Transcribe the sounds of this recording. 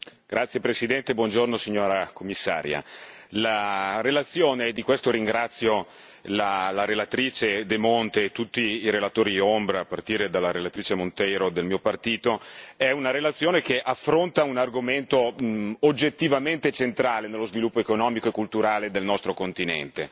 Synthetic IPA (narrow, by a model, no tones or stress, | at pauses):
ɡ̥ɾat̪sːjepɾesid̪ɛnt̪ebwɔnd͡ʒornosiɲːoːɾakomːisːa̰ːɾja̰larelat̪sːjoːneːd̪ikwest̪oɾiŋɡɾat̪sːjo | lalaɾelat̪ɾiːt͡ʃed̪emont̪eːt̪ːut̪ːiːɾelat̪oːɾiombɾaːpːart̪iːɾed̪alːaɾelat̪ɾiːt͡ʃemont̪ɛjɾod̪elmiːopart̪iːt̪oɛunaɾelat̪sːjoːnek̟eʔafːɾont̪aunarɡoment̪ood͡ʒːet̪ːivament̪et͡ʃent̪ɾaːlenelːozvilupːoekonɔːmikoekːult̪uɾaːled̪elnɔst̪ɾokont̪inɛ̰nt̪e